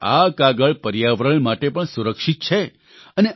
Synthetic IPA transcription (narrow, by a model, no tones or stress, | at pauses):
akaɡəɭpəɾjaʋɾəɳmaʈepəɳsuɾəkʂit̪̚t͡ʃʰe | əne